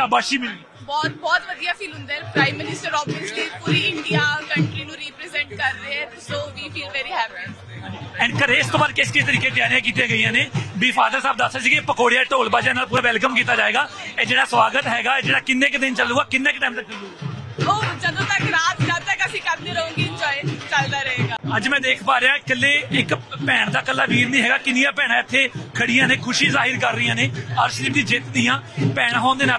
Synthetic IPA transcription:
abaːʃiːmɪli | bɔːt̪bɔːt̪ʋəd̪ijaːfʰiːlɦʊ̃nd̪aːɛpɾaːɪmːɪnɪsʈəɾɔːbəsliːpuːɾiːɪɳɖijaːkə̃ɳʈɾiːnũːɾiːpɾezɛ̃ɳʈkəɾːəɛː | soːʋiːfiːlʋɛːɾiɦɛːpi | ãd͡ʒiɛːɳɖkəɾeːɪst̪õːbaːd̪kɪskɪst̪əɾiːkeːt̪ɪjaːnijãːkiːt̪ijãːɡəijãːneːbiːfʰaːd̪əɾsaːb̚d̪əsːaːsiːkɪpəkoːɽijaːʈoːlbaːd͡ʒeaːnaːlpuːɾaːʋɛlkəmkiːt̪aːd͡ʒaːeːɡaːeːd͡ʒeːɽaːsʋaːɡət̪ɦɛːɡaːeːd͡ʒeːɽaːkɪnːẽːkd̪ɪnt͡ʃəluːɡaːkɪnːẽːɪkʈaːimsəkʰːəɡuːoːd͡ʒəd̪õːt̪akɾaːt̪t͡ʃəld̪ɛkasĩːkəɾd̪eːɾəũːŋɡiːd͡ʒoːeːt͡ʃəld̪aːɾəɦeːɡaːəd͡ʒmɛ̃ːd̪eːkʰpaːɾeaːkəlːeːɪkpɛːɳd̪aːkəlːaːʋiːɾnĩːɦɛːɡaːkɪnɪjãːpɛːɽ̃ãːɪt̪ʰːeːkʰəɽɪjãːnẽːkʰʊʃiːzaːɦɪɾkəɾːəijãːneːəɾʃɾiːpd̪ĩːd͡ʒɪt̪d̪ijãːpɛːɽɦɔːnd̪eːnaː

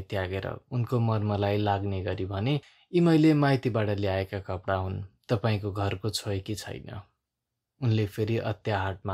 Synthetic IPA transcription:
t̪jaɡeɾʌ̰unkomʌrmʌlajlaɡneɡʌɾibʱʌne | imʌjlemaɦjt̪ibaʈʌleaekakʌpɽaɦunt̪ʌpaĩkoɡʱʌrkot͡sʰoekit͡sʰʌ̰jnʌ̰ | unlepʰeɾiʔʌ̰t̪jaɦaʈ̚ma

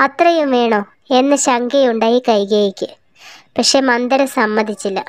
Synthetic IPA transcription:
ɐt̪rɐjumʋe̞ːɳo̞ː | e̞nːɨɕɐŋɡejuɳɖaːjikɐjɡɐjikʲːɨ | pɐkʂe̞ːmɐnd̪ɐɾɐsɐmːɐd̪ʱit͡ɕːilːɐ̰

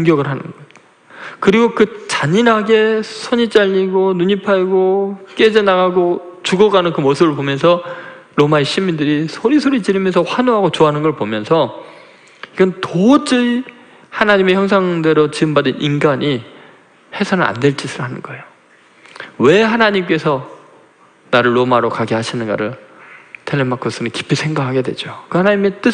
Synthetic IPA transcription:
oŋɡjʌɡɯɭɦanɯ̰nɡʌ | kɯɾiɡokɯt͡ɕaɲinɦaɡe̞sʰʌɲit͡ɕ͈aʎːiɡonuɲipʰaiɡok͈e̞d͡ʑenaɡaɡot͡ɕuɡʌɡanɯnkɯmosʰɯbɯɭpomjʌns̬ʰʌ | ɾomaeɕʰimːindɯɾisʰoɾisʰoɾit͡ɕiɾimjʌnsʰʌɸwanoɦaɡot͡ɕoɦanɯnɡʌɭpomjʌnsʰʌ | iɡʌntot͡ɕ͈ɯ | hanaɲime̞çjʌŋsʰaŋde̞ɾot͡ɕiɯmbadɯnʔinɡaɲi | he̞sʰanɯa̰ndwe̞ɭt͡ɕ͈isʰɯɾanɯnɡʌe̞jo | we̞hanaɲimk͈e̞sʰʌ | naɾɯɭːomaɾokaɡeɦaɕʰinɯnɡa̰ɾɯɭtʰeɭːemakʰos͈ɯnɯki̥pʰːisʰe̞ŋɡakʰaɡe̞dwe̞̰d͡ʑokɯhanaɲime̞t͈ɯ

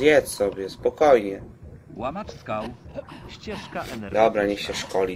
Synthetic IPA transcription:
ɛt͡ssɔbʲjɛspɔkɔjɲɛ | d̪ɔbɾaɲɛɕɛʂkɔlʲi

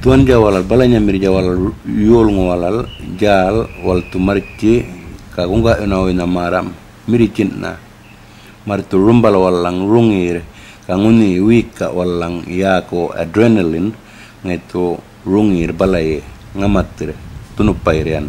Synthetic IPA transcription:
tuanɟawalalbalaɲamiɾɟawalaljolŋowalalɟalwaltumaɾt͡ʃikakuŋɡaʔunaoinamaɾam | miɾit͡ʃinna̰ | maɾtuɾumbalwalːaŋɾuŋiɾ | kaŋuniwikːa̰walːaŋjakoa̰dɾenelin | ŋato | ɾuŋiɾbalajeŋamatːiɾetunupajɾjan

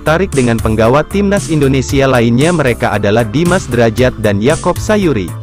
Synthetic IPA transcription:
t̪aɾɪk̚dəŋanpəŋɡawat̪imnasindonesialainɲaməɾekaʔadalahdimasdəɾad͡ʒat̪̚danjakɔp̚sajuɾḭ

